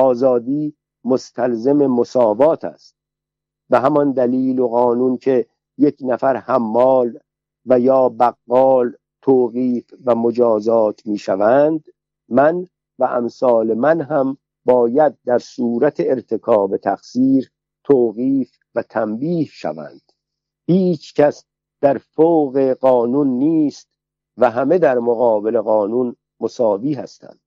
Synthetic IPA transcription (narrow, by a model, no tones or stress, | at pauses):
ʔɒːzɒːd̪iː | most̪ʰælzeme̞mosɒːvɒːt̪ʰæ̰st̪̚ | beɦæmɒnd̪æliːloɣɒːnuːncʰe̞ | jekʰnæfæɾhæmːɒːl | væjɒːbæɣːɒːl | t̪ʰoːɣiːfvæmod͡ʒɒːzɒːt̪ʰmiːʃævænd̪ | mæn | væʔæmsɒːle̞mænɦæm | bɒːjæd̪̚d̪æɾsuːɾæt̪ʰeːɾt̪ʰe̞kʰɒːbe̞t̪ʰæxsiːɾ | t̪ʰoːɣiːf | væt̪ʰæmbiːhʃæ̰væ̰nd̪̥ | hiːt͡ʃʰcʰæs | d̪̥æɾfoːɣeɢɒːnunːiːst̪̚ | væɦæme̞d̪æɾmoɣɒːbele̞ɣɒːnuːn | mosɒːviːɦæ̰st̪ʰæ̰nd̪̥